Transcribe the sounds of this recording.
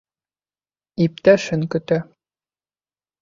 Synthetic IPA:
ip̚t̪æʃɘŋkɵ̆t̪æ

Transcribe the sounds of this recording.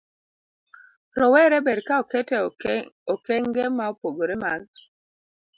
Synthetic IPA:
ɾɔwɛɾɛbɛɾkaɔkɛtɛɔkɛŋɡemaopoɡoɾemaŋ

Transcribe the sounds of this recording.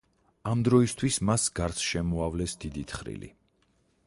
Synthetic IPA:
amd̪ɾɔist̪ʰwismasɡaɾt̪sʰʃɛmɔavlɛsd̪id̪it̪ʰχɾḭlḭ

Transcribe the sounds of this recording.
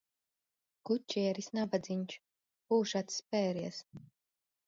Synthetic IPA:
kut͡ʃːiɛɾisnabad̪ziɲʲt͡ʃ | buːʃat̪sspɛːɾiɛs

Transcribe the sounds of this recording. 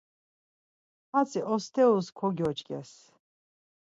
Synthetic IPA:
at͡sʰʼiʔɔst̪ʰɛuskʰɔɡjɔt͡ʃkʼɛs

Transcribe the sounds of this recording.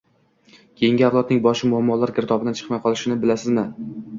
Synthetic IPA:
kʲʰe̞jɪŋɡʲɪaflˠɒt̪̚nɪŋbɒʃɪmʊhamːɒlˠaɾkʲɪɾɪt̪ʰɒbɪd̪ant͡ʃʰɨ̥qmajqʰɒlˠɪʃɪnɪbɪlasɪzmɪ

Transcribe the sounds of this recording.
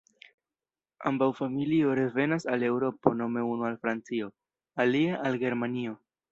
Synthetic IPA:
a̰mbawfamilio̞ɾe̞ve̞nasale̞wɾo̞po̞no̞me̞unualfɾant͡sio̞ | aliaʔalɡe̞ɾmanio̞

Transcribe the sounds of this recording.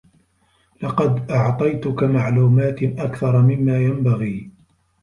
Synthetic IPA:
lɑqɑd̪ʔɑʕt̪ˤɑjt̪ʊkamaʕluːmaːt̪ʔakθɑɾˤmɪmːaːjambaɣiː

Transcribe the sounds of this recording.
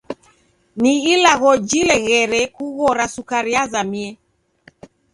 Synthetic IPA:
niilaɣɔd͡ʒilɛɣɛɾɛkuɣɔɾasukaɾiazamiɛ

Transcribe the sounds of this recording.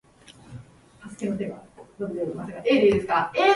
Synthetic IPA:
t̪asɨ̥ke̞no̞t̪e̞ɡad̪obed̪eimaseɡaʔeːd̪eɯd̪esɨ̥kaeː

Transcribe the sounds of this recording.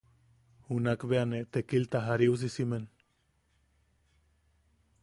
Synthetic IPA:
unakβeanet̪ekilt̪axaɾius̬isime̞n

